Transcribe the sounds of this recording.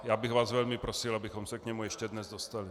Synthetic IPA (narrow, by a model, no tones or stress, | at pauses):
jaːbɪɣvaːzvɛlmɪpɾosɪlabɪxomsɛkɲɛmujɛʃcɛdnɛzdost̪alɪ